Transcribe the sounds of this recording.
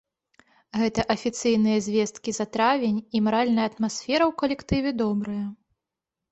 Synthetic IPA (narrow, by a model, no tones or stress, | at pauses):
ɣɛt̪ɐʔɐfʲit̪sɨjnɨjɐzʲvʲɛst̪̚kʲizɐt̪ɾavʲenʲimaɾalʲnɐjɐt̪masʲfʲɛɾɐwkɐlʲɛkt̪ɨvʲɛd̪ɔbɾɐjɐ